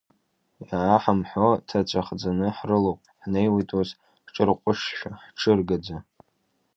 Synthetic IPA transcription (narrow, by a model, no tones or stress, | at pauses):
jaaħamħotʰat͡ʃʷʰʼaχd͡zanɨħrɨlowpʼħnejwatʼoz | ħʈ͡ʂʼɨrqʷʼʊʂʃʷᶣaħʈ͡ʂʰɨrɡad͡za